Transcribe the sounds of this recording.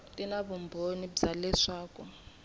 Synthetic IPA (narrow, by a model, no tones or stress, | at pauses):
tʼinaβumbʱonibd͡zalɛʂaːkɔ